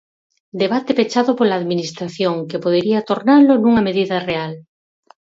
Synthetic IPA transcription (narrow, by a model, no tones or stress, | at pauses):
d̪eβat̪ɪpet͡ʃaðʊpolaːðminist̪ɾaθjoŋkepoð̞eɾiat̪oɾnaɾlonuŋɐmeðiðɐreal